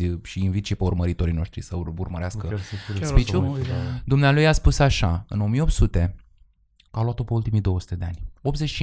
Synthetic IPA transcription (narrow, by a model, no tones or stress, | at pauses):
ʃiinvit̪ʃipeurməɾit̪o̞ɾino̞ʃt̪ɾisəurməɾeaskəspit͡ʃud̪umnealujaspusaʃaɨno̞mijeo̞p̚t̪sut̪e̞ | aluat̪o̞peult̪imijd̪o̞wəsu̥t̪e̞d̪eanʲo̞p̪ze̞t͡ʃʃ